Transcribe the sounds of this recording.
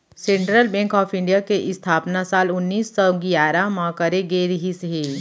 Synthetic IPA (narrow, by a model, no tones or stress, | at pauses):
sẽːɳʈɾəlbɛ̃ːŋkɔːfʰɪ̃ɳɖijakeʔɪst̪ʰaːpnasaːlʊnːiːsːɔɡijaːɾamãkəɾeɡeɾɦisɦeː